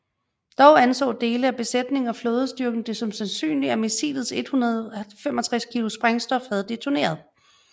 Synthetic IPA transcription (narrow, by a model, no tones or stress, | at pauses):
d̥ɒʊænsɔ̰̽ːd̥e̝ːləæb̥e̝sed̥ne̝ŋɒ̽floːð̞ˠsd̥yɐɡ̥n̩d̥e̝sɒ̽msænsy̰ːnliæmisḭːlð̩ˠse̝d̥hunɐðˠfem̰ɒ̽t͡sʰʁɛskʰilosb̥ʁaŋsd̥ɒ̽fhæð̞̩ˠd̥e̝t͡sʰone̝̰ːɐð̞̩ˠ